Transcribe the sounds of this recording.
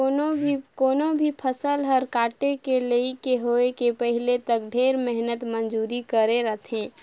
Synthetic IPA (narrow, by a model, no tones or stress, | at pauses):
onoikoːnobʱipʰəsəlɦəɾkaːʈekeleikeɦoekepəɦilet̪ək̚ɖʱeːɾmɛɦnət̪mənd͡ʒuːɾikəɾeɾət̪ʰɦẽː